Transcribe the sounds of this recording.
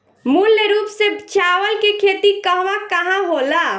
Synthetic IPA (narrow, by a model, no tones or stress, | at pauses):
mulːeɾupsebt͡ʃʰawəlkekʰet̪ikəɦʋakəɦãɦola